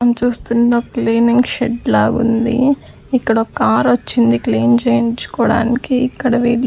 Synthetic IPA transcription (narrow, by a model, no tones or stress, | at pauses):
ɐmt͡ʃuːst̪und̪oːkliːniŋɡʃeɖlaːɡṵnd̪ḭ | ikːɐɽɐokaːɾʋɐt͡ʃːind̪ikliːnt͡ʃeːjint͡ʃu̥kɔːɽa̰ːnikiːkːɐɽɐʋiː